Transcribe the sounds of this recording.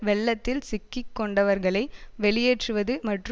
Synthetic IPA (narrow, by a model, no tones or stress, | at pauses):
ʋɛɭːɐt̪ːɪlsɪkːɪkːɔɳɖɐʋɐɾɣɐɭɐɪʋɛɭɪjeːʈrɯʋɐðɯmɐʈr